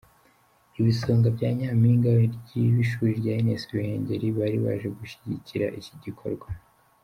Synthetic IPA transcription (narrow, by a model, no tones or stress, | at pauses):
iβisoːŋɡabɟaːɲaːmiːŋɡawiɾɟiβiʃuːɾibjajinesiwihe̞ːɲɟe̞ɾiβaɾiβa̰ʒe̞ɡuʃi̥ɟiciɾa̰ʔiciɟikʰo̞̰ɾɡwa